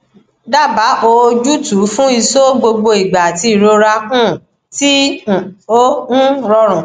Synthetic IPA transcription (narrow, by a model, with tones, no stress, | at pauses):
da˦˨ba˨˦ʔo˧d͡ʒu˦tu˨˦fũ˦i˧so˦ɡ͡bo˧ɡ͡bo˧i˨ɡ͡ba˨ti˧i˨ɾo˧ɾa˧kũ˦˨ | tĩ˦˨ | o˦ñ̩˦ɾɔ˧ɾ̃ɔ̃˨